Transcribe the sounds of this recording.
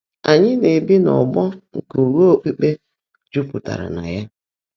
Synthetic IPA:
a˨ɲɪ˦ne˨bi˦nɔ˨ɡ͡bɔ˦ŋ̩˨ku˨ɾo˦˨k͡pe˦k͡pe˦ | d͡ʒu˦pʊ˨ta̰˨ɾa̰˨na̰˨ja˦

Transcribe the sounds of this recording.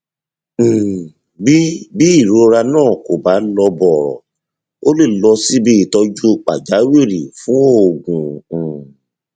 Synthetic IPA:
bi˦bi˦i˦˨ɾo˨˦ɾa˧nãː˦˨ko˨ba˨˦lɔ˧bɔ˨ɾɔ̰˨ | o˦le˦˨lɔ˧si˦bi˧˨tɔ˧d͡ʒu˦k͡pa̰˨d͡ʒa˨˦we˦˨ɾḭ˨fũ˦o˦o˨ɡũ˨

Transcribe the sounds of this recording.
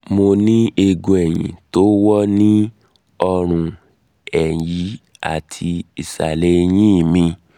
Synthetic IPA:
mo˧nĩ˦e˧ɡũ˧ɛ˨j̃ḭ̃˨to˦wɔ˦nĩ˦ | ɔ˧ɾ̃ũ˧ | ɛ˨ji˨˦ | a̰˨tʰi˧i˨sa̰˨le˨˦˧j̃ĩ˦˨mĩ˧

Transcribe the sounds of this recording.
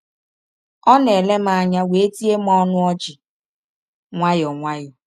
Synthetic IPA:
ɔ˦ne˨le˦m̩˦a˦˨ɲa˦we˨e˦ti˦e˦m˦ɔ˦nʊ˦ɔ˦t͡ʃɪ˨ | ŋʷa˦jɔ˨ŋʷa˦jɔ˨

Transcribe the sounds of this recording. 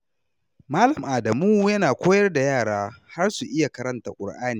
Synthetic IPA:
maː˦lɐ˨mʔaː˨dɐ˨muː˦jɐ˦naː˨kʷoː˦jɐ˦rda˨jaː˦˨ɽaː˦ha˦rsu˨ʔɪ˦ja˨kɐ˦ɾɐ˦nta̰˨kʷʼʊ̰˨ɽʔaː˦niː˨

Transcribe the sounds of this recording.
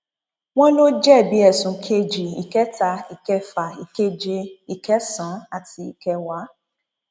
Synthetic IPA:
w̃ɔ̃˦lo˦d͡ʒɛ˦˨bi˨˦ɛ˦˨sũ˨kʰe˧d͡ʒi˨ḭ˨kɛ˨˦ta˧i˨kɛ˧fa˨i˨ke˧d͡ʒe˧i˨kɛ˨˦sã˨˦a˦˨ti˧i˨kɛ˧wa˨˦

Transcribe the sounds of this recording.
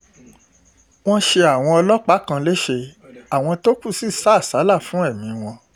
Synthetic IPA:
w̃ɔ̃˦ʃe˧a˨w̃ɔ̃˧ɔ˧lɔ˦k͡pa˦kã˧le˦ʃe˧a˨w̃ɔ̃˧to˦ku˦˨si˦˨sa˦˨sa˨˦la˦˨fũ˨˦ɛ˦˨mĩ˨˦w̃ɔ̃˧

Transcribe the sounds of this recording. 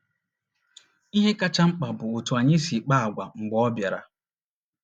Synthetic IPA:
i˦ɦe˦ka˦t͡ʃa˦ŋ͡m̩˦k͡pa˨bʊ˨ʊ˨tu˨a˨ɲɪ˦si˨k͡pa˦a˨ɡʷa˨ŋ͡m̩˨ɡ͡bɔ˦ɔ˦bja˨ɾa̰˨

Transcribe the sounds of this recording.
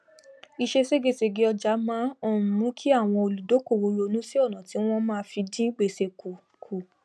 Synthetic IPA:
i˧ʃe˧se˦ɡe˦˨se˧ɡe˨˧˦ɔ˧d͡ʒa˨˦mã˦ɔ˦˨nũ˨˦kʰi˦a˦˨w̃ɔ̃˧o˧lu˨do˨˦ko˦˨wo˧jo˧˦nũ˦si˦o˦˨nã˨ti˨˦w̃ɔ̃˦mãː˦˧fi˧dĩ˦ɡ͡be˧˨se˧ku˨ | kʰu˨

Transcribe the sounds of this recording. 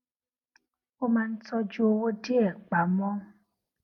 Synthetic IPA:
o˦ma˧n̩˦t͡sɔ˦d͡ʒu˦o˦wo˦di˦ɛ˨k͡pa˨˦mɔ˦

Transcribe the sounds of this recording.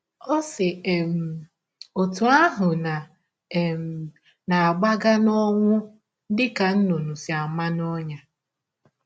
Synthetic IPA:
ɔ˦sɪ˨e˨m̩˨ | o˨tu˨a˦ɦʊ˨na˨ | m˨ | na˨a˨ɡ͡ba˦ɡa˦nɔ˦ŋʷʊ˦ | dɪ˦ka˨n̩˦no˨nu˨si˨a˨ma˦nɔ˦ɲa˨

